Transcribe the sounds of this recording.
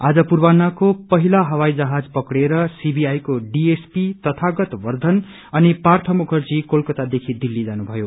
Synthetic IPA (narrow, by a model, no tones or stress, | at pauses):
ad͡zʌpurbanːakopʌɦilaɦʌwajd͡zʌɦad͡zpʌkɽeɾʌsibiajkoɖiespit̪ʌt̪ʰaɡʌt̪bʌrd̪ʱʌn | ʌnipart̪ʰʌmukʰʌrd͡zikolkʌt̪ad̪ekʰid̪ilːid͡zanubʱʌjo